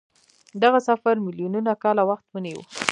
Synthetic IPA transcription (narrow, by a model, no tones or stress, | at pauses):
d̪aɣasafaɾmɪljununakɑlawaxt̪wənewṵ